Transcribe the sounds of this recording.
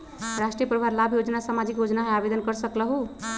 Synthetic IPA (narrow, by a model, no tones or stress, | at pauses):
ɾasʈɾijəpɾəbʱaɾlabʱjod͡ʒnasamad͡ʒikjod͡ʒnaɦẽabed̪ənkəɾsəkləɦu